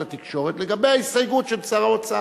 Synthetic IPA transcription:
at̪ikʃo̞ʁet̪leɡabe̞jaisajɡutʃelt͡saʁaat͡saa

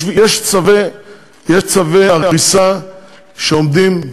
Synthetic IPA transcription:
jɛʃt͡save | jeʃt͡saveaʁaʁisa | ʃeomd̪im

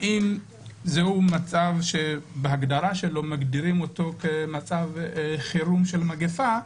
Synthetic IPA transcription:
ʔim | zehumat͡savʃe̞beɦaɡd̪aʁaʃe̞lo̞maɡdiʁimo̞to̞kemat͡savχiɾumʃe̞lmaɡefa

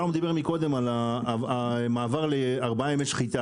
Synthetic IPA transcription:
nomed̪abe̞ʁmiko̞d̪e̞mala | maːvaʁleaʁbaaemeʃχit̪a

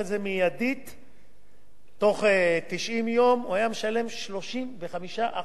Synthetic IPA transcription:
zemijad̪it̪ | o̞χet̪iʃʔimjo̞muhajameʃale̞mʃlo̞ʃimve̞χamiʃaʔa

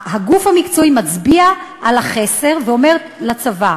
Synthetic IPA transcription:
haɡufhamikt͡soimat͡sbiaʔalaχe̞se̞ʁveo̞me̞ʁ | lat͡sava

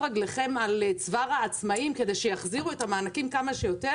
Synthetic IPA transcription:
aɡleχe̞malet͡svaʁaːt͡smaimke̞d̪e̞jʃejaχziʁuethamaːnakimkamaʃejo̞t̪e

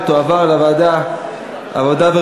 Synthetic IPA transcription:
t̪oavaʁlavad̪a | a̰vod̪ave

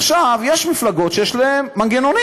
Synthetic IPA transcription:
ʃavjeʃmiflaɡo̞tʃejɛʃlaemːanɡenoni

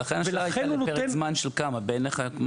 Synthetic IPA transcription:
aχenaʃaajenunoetezmanʃelkamabeneχakm

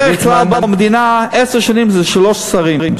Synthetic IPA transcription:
ɛɪχlalˠbamd̪inaɛsəʁʃanimzɛʃlɔʃsaʁiim

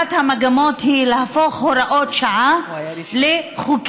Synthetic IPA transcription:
athamaɡamothilehafoχhoɾaʔotʃaʔaleχuk

